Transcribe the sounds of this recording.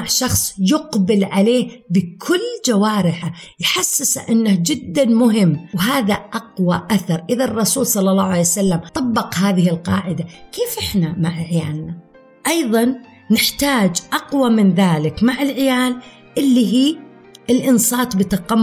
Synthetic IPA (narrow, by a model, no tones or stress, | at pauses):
ʕʃɑxsˤjʊqbɪlʕaleːhbɪkʰʊlːd͡ʒawaːɾɪħajħasːɪsaʔɪnːahd͡ʒɪd̪ːanmʊɦɪmːwɦaːðaʔɑqwaʔaθɑɾˤʔɪðarˤːɑsuːlsˤɑlːɑlːɑːhʕalejsalːamt̪ˤɑbːɑqhaːðɪhɪlqɑːʕɪd̪akeːfʔɪħnamaʕʕɪjaːlna | ʔɑjðˤɑnː | ɪħt̪aːd͡ʒʔɑqwamɪnðaːlɪkmaʕɪlʕɪjaːl | ʔɪlːiɦiː | ʔɪlʔɪnsˤɑːt̪ˤbɪt̪ɑqɑm